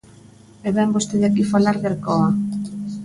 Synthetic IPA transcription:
ɛβɛmbost̪eðakifalaɾðeɾkɔa

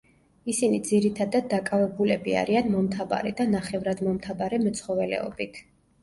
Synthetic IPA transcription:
isinid̪ziɾit̪ʰad̪ad̪̚ːakʼavɛbulɛbia̰ɾianmɔmt̪ʰava̰ɾɛd̪anaχɛvɾad̪mɔmt̪ʰabaɾɛmɛt̪sʰχɔvɛlɛ̰ɔ̰bit̪ʰ

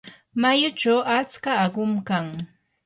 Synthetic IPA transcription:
majʊt͡ʃawʔat͡skaːɢʊmkaŋ

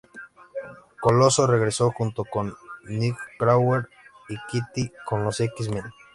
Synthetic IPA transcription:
kolosore̞ɣɾe̞so̞xunt̪o̞konːikkɾaweɾ | ikit̪iko̞nlo̞sekismẽn

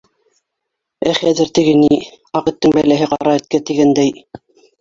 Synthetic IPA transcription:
æχæðɘɾt̪ɘ̆ɡɘni | ɑqɤ̆t̪ːɤŋbælæɦɘqɑ̰ɾɑɘ̆t̪̚kæt̪iɡænd̪æj

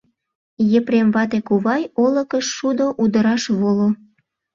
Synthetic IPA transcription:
jəpɾemβɑt̪̬ekuβɑjolə̆kəʃːud̪oʔud̪əɾɑʃβolo

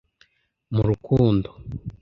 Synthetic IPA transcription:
muɾukuːndo

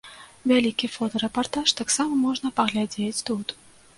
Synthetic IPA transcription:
vʲalʲikʲifɔt̪ɐɾɛpart̪aʂt̪aksamɐmɔʐnɐpɐɣlʲad͡zʲet͡sʲt̪ut̪

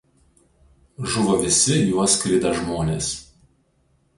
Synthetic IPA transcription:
ʒʊʋoʋʲɪsʲɪjuɔskɾʲɪd̪ɐʒmoːnʲeːs

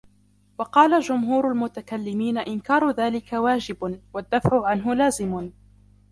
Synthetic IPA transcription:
wɑqɑːlad͡ʒʊmɦuːɾʊlmʊt̪akalːɪmiːnaʔɪnkɑːɾˤʊðaːlɪkawaːd͡ʒɪbwad̪ːafʕʊʕanɦʊlaːzɪmʊ

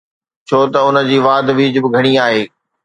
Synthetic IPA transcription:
t͡ɕʰoːt̪ɐʊnə̆d͡ʑiːʋaːd̪ʋiːd͡ʑbɪɡʱɐɽ̃iaːɦeː

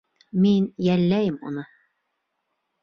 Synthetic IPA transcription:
minjælːæjɘmṵnɤ

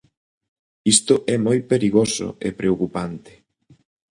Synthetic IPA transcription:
ist̪ʊʔɛmojpeɾiɣoso̰epɾeokupant̪e̥

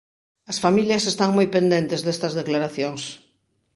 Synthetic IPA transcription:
ɐsfamiljɐsest̪aŋmojpend̪ẽnt̪ezðest̪ɐzðeklaɾaθjoŋs

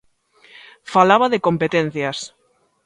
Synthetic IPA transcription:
falaβaðekõmpet̪en̟θjas

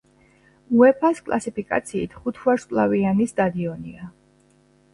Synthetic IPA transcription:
uɛpʰaskʼlˠa̰sipʰikʼa̰t̪sʰiːt̪ʰχut̪ʰvaɾskʼlˠavianisd̪ad̪iɔnḭa

